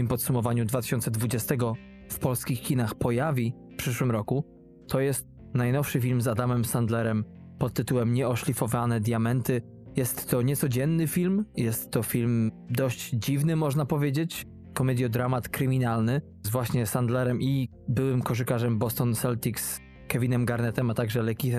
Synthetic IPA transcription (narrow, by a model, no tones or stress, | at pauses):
impɔt̪sumɔvaɲud̪vat̪ɘ̥ɕɔnt̪sɛd̪vud͡ʑɛst̪ɛɡɔ | fpɔlskʲixkʲinaxpɔjavʲi | pʂɘʂwɘmɾɔku | t̪ʰɔjɛst̪̚ | najnɔfʂɘfʲilmzad̪amɛmsand̪lɛɾɛm | pɔt̪ːɘt̪uwɛmɲɛɔʂlʲifɔvanɛd̪ʲjamɛnt̪ɘ | jɛst̪ːɔɲɛt̪sɔd͡ʑɛnːɘfʲilmjɛst̪ːɔfʲilmd̪ɔɕd͡ʑd͡ʑivnɘmɔʐnapɔvʲjed͡ʑet͡ɕ | kɔmɛd̪jɔd̪ɾamat̪kɾɘmʲinalnɘ | zvwaɕɲɛsand̪lɛɾɛmʔi | bɘwɘmkɔʐɘkaʐɛmbɔst̪ɔnsɛlt̪ʲiks | kɛvʲinɛmɡaɾnɛt̪ɛmat̪aɡʐɛlɛkʲi